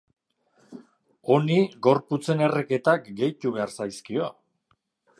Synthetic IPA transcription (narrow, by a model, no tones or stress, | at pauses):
o̞niɡo̞ɾput͡se̞ne̞reke̞t̪akɡe̞jt̪uβe̞aɾsajskio̞